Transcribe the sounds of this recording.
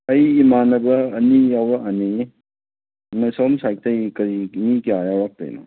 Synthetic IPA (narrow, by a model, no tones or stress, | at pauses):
ɐjimanɐbɐːnijawɾaani | nɐsɔmsajk̚tɐjkɐɾiknikiajawɾak̚tɐ̰jnɔ̰